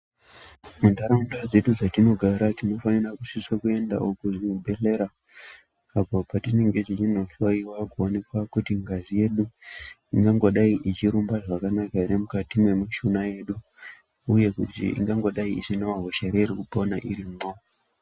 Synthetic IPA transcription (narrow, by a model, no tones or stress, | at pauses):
mundaɾaundad͡ze̞ɗud͡zatino̞ɡʱaɾatino̞fanirakusisakue̞nda̰okuʐibʱe̞ɬe̞ɾaː | po̞patine̞ŋɡe̞t͡ʃit͡ʃinoɬaiwakuone̞kwakutiŋɡazije̞ɗuiŋɡaŋɡo̞ɗaiʔit͡ʃiɾumbaʐakanakainemukatimwe̞maʃunaje̞ɗu | uje̞kutḭḭŋɡaŋɡo̞ɗaiḭsinoʋaɦoʃeɾerikupo̞naʔiɾimo